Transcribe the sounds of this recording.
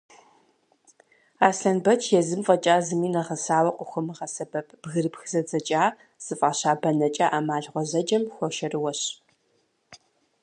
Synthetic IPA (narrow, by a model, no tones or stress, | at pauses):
aːsɬɐnbɐt͡ʃʰjɛzɨmfʼɐt͡ʃʼaːzɨmiːnɐʁɐsaːwɐqʷʼʊxʷʊmɨʁɐsɐbɐpʰbɣɨrɨpxzɐd͡zɐt͡ʃʼaː | z̥ɨfʼaːɕaːbɐnɐt͡ʃʼaʔaːmaːɮʁʷɔzɐd͡ʒɐmxʷɔʃɐrɨwɐɕ